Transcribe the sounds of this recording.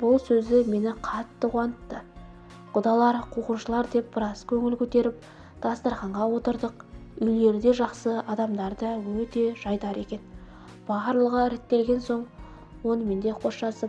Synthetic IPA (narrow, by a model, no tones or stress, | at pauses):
b̥ʊlˠsɵzd̪ɪme̞nɪqʰɑt̪ːəqʰwɑnət̪ːə | qʰʊd̪ɑlˠɑɾqʰuquʃəlˠɑɾd̪e̞p̚b̥əɾɑskʲʰɵŋɪlkʲʰɵt̪e̞ɾɪp̚ | d̪̥ɑst̪ɑɾχɑɴʁɑwo̞t̪əɾd̪əq̚ʏjle̞ɾd̪e̞ʒɑqsəɑd̪ɑmd̪ɑɾd̪əwɵt̪e̞ʒ̥ɑjd̪ɑɾe̞kʲe̞n | b̥ɑɾlˠəʁəɪɾet̪ːe̞lɡʲe̞nso̞ɴ | wo̞nəme̞nd̪e̞qʰo̞ʃʃɑsəp